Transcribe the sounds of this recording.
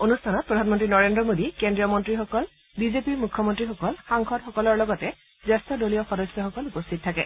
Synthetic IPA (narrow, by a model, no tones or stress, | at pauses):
onustʰanɔt̚pɹɔdʱanmɔntɹinɔɹendɹɔmodikendɹiɔmɔntɹixɔkɔl | bizepiɹmukʰːɔmɔntɹixɔkɔlxaŋxʰɔtxɔkɔlɔɹlɔɡɔtɛ | zɛstɔdolijɔxɔdɔsjɔxɔkɔlupostʰit̚tʰːakɛ